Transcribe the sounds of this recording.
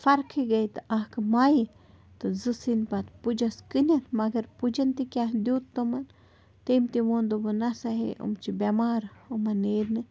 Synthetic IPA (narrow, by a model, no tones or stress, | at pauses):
faɾkʰeɡejt̪aʔahkəmaj | t̪ɨzɨsinpat̪pud͡ʒaskɨnʲanmaɡeɾpud͡ʒant̪ikjahd̪jut̪ːoman | t̪emt̪imond̪obənasaɦḛʔṵmt͡ʃibamaɾomaneɾnɨ